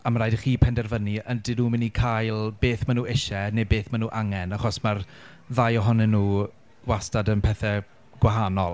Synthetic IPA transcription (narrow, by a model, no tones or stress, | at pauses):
amaɾaːjdəχiːpʰɛndɛrvəniəndɪnuːmɪnikʰajlˠb̥eːθmanuːɪʃɛnebeːθmanuːʔaŋɛnaχɔsmar | ðajɔɦɔnɛnːuː | ɡ̥wastadənpʰɛθɛ | ɡ̥waɦanɔlˠ